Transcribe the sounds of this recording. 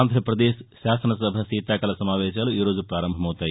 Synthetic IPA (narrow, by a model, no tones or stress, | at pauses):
nd̪ʱɾɐpɾɐd̪eːʃʃaːsɐnɐsɐbʱɐsiːt̪aːkɐlɐsɐmaːʋɛːʃaːluiːɾo̞ːd͡ʒupɾaːɾɐmbʱɐmɐwt̪aːji